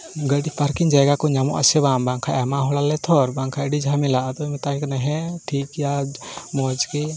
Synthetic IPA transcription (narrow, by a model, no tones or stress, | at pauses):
ɡəɖipaɾkiŋd͡ʒajɡakɔɲamɔ̰ʔa̰sɛβambaŋkʰaʔɛmaɦɔɭalɛt̪ʰɔɾbaŋkʰaəɖid͡ʒamɛlaʔad̪ɔmɛt̪ajkanɛɦɛ̃ʈʰikjamɔd͡ʒkɛ